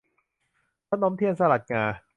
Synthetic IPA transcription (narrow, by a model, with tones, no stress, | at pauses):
tʰa˦˥nɔː˦˥mt̪ʰi˥˩ənsa˧la˨˩t̪̚ŋaː˧